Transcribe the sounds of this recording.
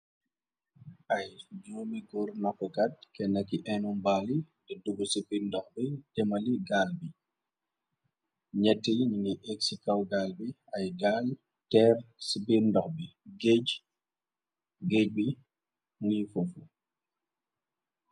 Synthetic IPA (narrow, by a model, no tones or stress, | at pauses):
ʔɐjd͡ʒumiɡuɾnɔkːɔkɐt̚kɛnɐkːiʔɛnumbaːli | dɛduɡusibindɔxbidɛmɐliɡaːlbi | ɲɛtːijɲiniʔɛksikɐwɡaːlbi | ɐjɡaːl | tɛrsibindɔxbiɡeɟ | ɡɛɟ̚bi | ŋifofu